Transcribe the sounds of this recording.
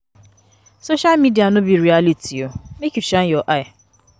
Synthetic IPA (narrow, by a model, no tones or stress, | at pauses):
soʃalmidianʊbiɾialitiomekut͡ʃanjɔʔaɪ